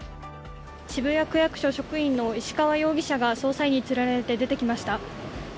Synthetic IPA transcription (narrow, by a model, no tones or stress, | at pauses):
t͡ɕibɯ̟jakɯ̟jakɯ̟̥ɕo̞ɕo̞kɯ̟ĩnːo̞iɕi̥kaβajo̞ːɡʲiɕaɡaso̞ːsaiɲ̟it͡sɨɾaɾet̪e̞d̪e̞t̪e̞kʲimaɕi̥t̪a